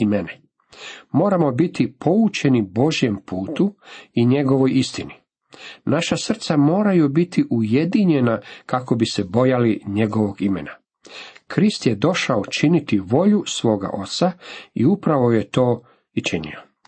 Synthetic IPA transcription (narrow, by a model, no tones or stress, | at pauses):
imene | mo̞ːɾamo̞bit̪ipʰo̞ut͡ʃe̞nibo̞ʒjempuːt̪uiɲe̞ɡo̞ʋo̞jist̪ini | naʃasr̩t̪samo̞ːɾajubit̪ʰiʔuje̞d̪iɲe̞nakako̞bisebo̞jaliɲe̞ɡo̞ʋo̞ɡimḛna | kɾist̪jed̪o̞ʃaot͡ʃinit̪iʋo̞ʎusʋo̞ːɡa̰ʔo̞t̪saiupɾaʋo̞je̞t̪o̞ː | it͡ʃinḭo